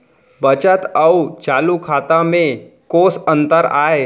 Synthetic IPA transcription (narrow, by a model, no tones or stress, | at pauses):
bət͡ʃət̪əut͡ʃaːlukʰaːt̪amẽkoːsə̃nt̪əɾaːe